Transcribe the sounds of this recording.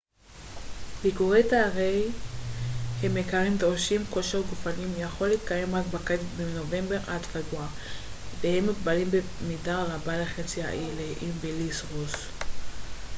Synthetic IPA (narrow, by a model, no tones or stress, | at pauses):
bikuʁe̞jt̪aaʁej | hemːekaʁimd̪ʁoʃimko̞ʃeʁɡufanimjaχo̞liːt̪kaje̞mʁakbakatbeno̞ve̞mbe̞ʁʔadfaɡua | vehemːikbalimbe | midaʁabaleχet͡sia̰ʔileʔimbilisʁus